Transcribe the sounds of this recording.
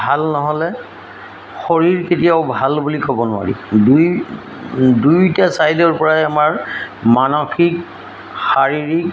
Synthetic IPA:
bʱalnɔɦɔlɛ | xɔɹiɹketijaʊbʱalbulikɔbɔnʊwa̰ɹḭduj | dujtasajdɔɹpɔɹaɛamaɹmanɔxik | xaɹiɹik

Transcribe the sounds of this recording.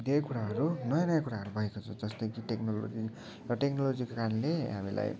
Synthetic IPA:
d̪ejkuɾaɦʌɾunʌjʌnʌjakuɾaɦʌɾubʱʌekot͡sʰʌwd͡zʌst̪ʌjkiʈeknolo̰d͡zi | rʌʈeknolod͡zikokaɾʌnlea̰mila̰j

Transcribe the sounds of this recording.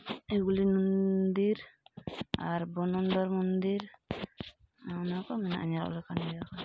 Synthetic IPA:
ɛɡulinund̪iɾ | aɾbɔnɔnd̪ɔɾmɔnd̪iɾ | nanakɔmɛnaʔa̰ɲaɾɔ̰lɔkanbɛjaka

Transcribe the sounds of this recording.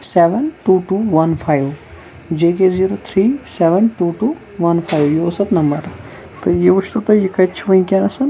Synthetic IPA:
seʋənʈuʈuːʋɐnfʰajʋ | d͡ʒeːk̬eziːɾoːt̪ʰɾiːseʋənʈuːʈuː | ʋɐnfʰaːjʋjeosɐt̪nɐmbɐɾ | t̪ɨjiʋuʃt̪ut̪ɐjikɐt͡ʃʰʋɐĩkʲanɐsɐn

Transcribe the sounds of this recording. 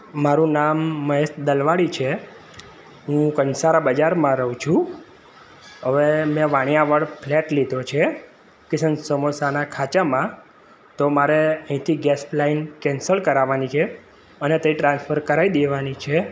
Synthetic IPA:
maɾũnamːəɦesd̪əlʋaɽit͡ʃʰe | ɦũkənsaɾabəd͡ʒaɾmãɾəɦũt͡ʃʰũ | ɦəʋemẽʋaɽ̃jãʋəɽpʰlɛʈlid̪ʱot͡ʃʰe | kɪsənsəmosanakʰat͡ʃamã | t̪omaɾeəɦĩt̪ʰiɡɛsplainkɛnsəlkəɾaʋanit͡ʃʰe | ənet̪əiʈɾãnsfʰəɾkəɾaid̪eʋanit͡ʃʰe

